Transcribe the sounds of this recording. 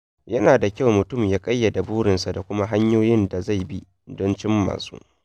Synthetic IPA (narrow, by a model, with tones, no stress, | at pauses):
jɐ˦naː˨da˨kʲa˦˨wmʊ˨tʊ˦˨mjaː˦kʼɐ˦jːɐ˨da˨buː˦ɽɪ˨nsa˨da˨kʷʊ˦ma˦ɦa˦ɲjoː˦jɪ˦nda˨za˦˨jbi˦ | dɔ˦nt͡ʃɪ˦mːa̰ː˨sṵː˦